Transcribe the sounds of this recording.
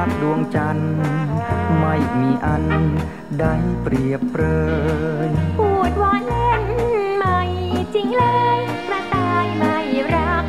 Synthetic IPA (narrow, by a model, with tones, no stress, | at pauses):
t̚ɗu˧əŋt͡ɕa˧n | ma˧jmi˩ʔa˧n | ɗa˧jpriəpːrəːjpu˧t̪̚ʋaː˧nlɛ˧nma˧jt͡ɕi˧ŋləː˧j | pra˧t̪a˧jma˧jra˧p̚